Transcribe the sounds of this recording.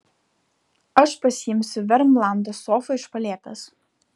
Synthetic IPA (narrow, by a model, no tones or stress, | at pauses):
ɐʃpɐsʲɪjɪmʲsʲʊʋʲɛɾmlˠɑnd̪ɐsoːfɐɪʃpɐlʲeɛt̪ʲɐs